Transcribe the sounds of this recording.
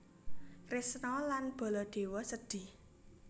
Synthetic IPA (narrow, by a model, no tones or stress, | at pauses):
krɪsnɔlanb̥ɔ̤lɔɖ̪̥e̤wɔsəd̪̥i̤h